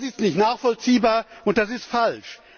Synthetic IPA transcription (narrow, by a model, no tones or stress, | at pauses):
sɪstnɪçtnaːχfɔlt͡siːbaːɐʊnt̚d̥as̬ɪstfalʃ